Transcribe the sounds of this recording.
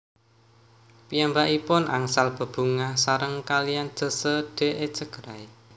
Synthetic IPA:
pijambaʔipʊna̰ŋsalb̥ə̤b̥ṳŋasaɾəŋkalijan̥d͡ʒ̥ə̤səɖ̥e̤ʔe̥t͡ʃəɡ̥əɾae

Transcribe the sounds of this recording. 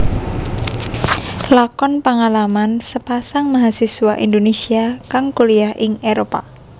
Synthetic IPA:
lakɔnpaŋalamansəpasaŋmaɦasiswaʔḭnd̪onesiakaŋkoliahʔɪŋeɾopa

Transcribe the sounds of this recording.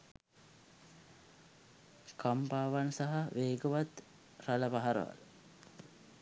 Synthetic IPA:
kampaːʋansaɦaʋeːɡəʋat̪ | raləpaɦaɾə̰ʋa̰l

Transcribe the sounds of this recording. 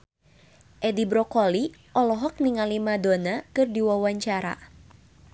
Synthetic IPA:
ʔɛdibɾɔkɔliʔɔlɔɦɔk̚niŋalimadonakɨrdiwawaɲt͡ʃaɾa̰

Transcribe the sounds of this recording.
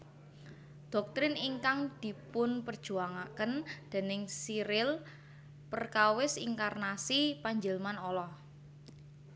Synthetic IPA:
d̪̥ɔ̤k̚t̪ɾɪniŋkaŋd̪̥i̤pʊnpərd̥ʒ̥ṳaŋakənd̪̥a̤nɪŋsiɾɪl | pərkawɪsiŋkarnasipaɲd͡ʒəlmanɔlɔh

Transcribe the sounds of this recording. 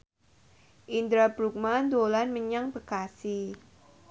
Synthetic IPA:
ʔind̪ɾabɾuk̚mand̪olanməɲaŋbəkasi

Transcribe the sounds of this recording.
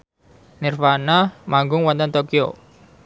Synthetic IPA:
nɪrfanamaŋɡʊŋwɔnt̪ɔnt̪okio̰

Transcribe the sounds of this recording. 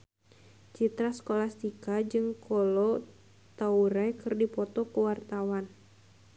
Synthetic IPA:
t͡ʃit̪ɾasə̥kolast̪ikad͡ʒɨŋkɔlɔ | t̪auɾajkɨrdipɔt̪ɔkuwart̪awan

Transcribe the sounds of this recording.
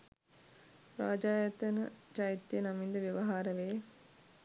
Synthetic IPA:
ɾaːd͡ʒaːjət̪ənə̰t͡ʃajit̪ːjənamind̪əʋjeʋaɦaːɾəʋeː

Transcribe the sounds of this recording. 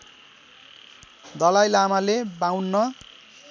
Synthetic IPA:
d̪ʌlajlamalebawnːʌ

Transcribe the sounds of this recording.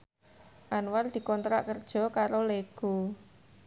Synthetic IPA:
ʔanward̪̥i̤kɔnt̪ɾa̰ʔkərd̥ʒ̥ɔ̤kaɾoleɡ̥u

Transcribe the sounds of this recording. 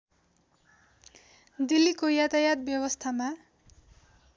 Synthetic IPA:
d̪ilːikojat̪ajat̪̚bjʌbʌst̪ʰama

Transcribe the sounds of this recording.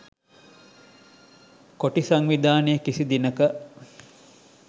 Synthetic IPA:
koʈisaŋʋid̪aːnəjəkisid̪inəkə

